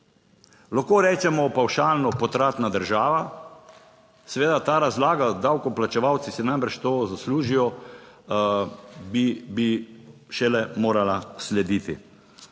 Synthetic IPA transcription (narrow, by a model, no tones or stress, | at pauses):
laxkoːɾɛːt͡ʃɛmɔpawʃaːlnɔpɔt̪ɾaːt̪nad̪əɾʒaːʋa | sɛʋeːd̪at̪aːɾazlaːɡad̪awkɔplat͡ʃɛʋawt̪sisɛnajmɛɾt͡ʃt̪oːzasluːʒijɔ | bibiʃɛlɛmoːɾalaslɛd̪iːt̪ḭ